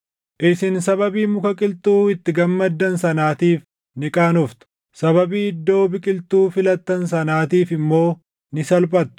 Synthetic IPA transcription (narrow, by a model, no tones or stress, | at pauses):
ʔɪsɪnsɐbɐbiːmʊkɐkʼɪlt̪uːɪt̪ːɪɡɐmːɐd̪ːɐnsɐnaːt̪iːf | nɪkʼaːnɔft̪ʊ̥ | sɐbɐbiːɪd̪ːo̞ːbɪkʼɪlt̪uːfɪlɐt̪ːɐns̬ɐnaːt̪iːfɪmːo̞ː | nɪsɐlpʼɐt̪ːʊ̥